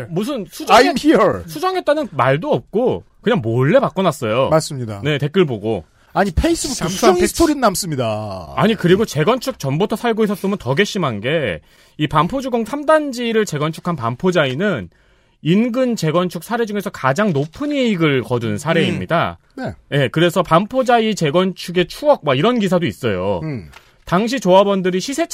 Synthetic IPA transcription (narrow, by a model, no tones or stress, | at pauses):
mus̬ʰɯnsʰud͡ʑʌamhisʰud͡ʑʌŋe̞t͈̚anɯnmaɭdoʌp̚k͈o | kɯɲaŋmoɭːe̞bak͈ʌnas͈ʌjomaɭs͈ɯmɲida̰ne̞te̞k͈ɯɭboɡo | aɲipʰeis͈ɯbooŋstʰoɾinnams͈ɯmɲidaa̰ɲikɯɾiɡot͡ɕe̞ɡʌnt͡ɕʰuk̚t͡ɕʌmbotʰʌsʰaɭɡois̬͈ʌs͈omʌntʌɡe̞ɕ͈ʰimɦanɡe̞ | ipampʰod͡ʑuɡoŋsʰamdand͡ʑiɾɯɭt͡ɕe̞ɡʌnt͡ɕʰu̥kʰanpampʰod͡ʑainɯn | inɡɯnt͡ɕe̞ɡʌnt͡ɕʰuk̚sʰaɾe̞d͡ʑuŋe̞sʰʌkad͡ʑaŋnopʰɯneiɡɯɭkʌdunsʰaɾe̞imɲida̰ | neje̞kɯɾe̞sʰʌpampʰod͡ʑait͡ɕe̞ɡʌnt͡ɕʰuɡe̞t͡ɕʰuʌk̚mwaiɾʌnɡis̬ʰadois͈ʌjo̰ | taŋɕ̬ʰit͡ɕoabʌndɯɾiɕʰisʰe̞t͡ɕʰ